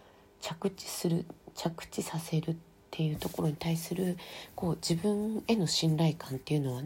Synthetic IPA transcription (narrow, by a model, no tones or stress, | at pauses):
t͡ɕakɯ̟t͡ɕi̥sɨɾɯ̟t͡ɕakɯ̟̥t͡ɕisase̞ɾɯ̟t̪ʰːe̞jɯ̟ːt̪o̞ko̞ɾo̞ɲ̟it̪aisɨɾɯ̟ko̞ːd͡ʑibɯ̟̃ŋe̞no̞ɕĩnɾaikãnt̪ːe̞jɯ̟no̞βa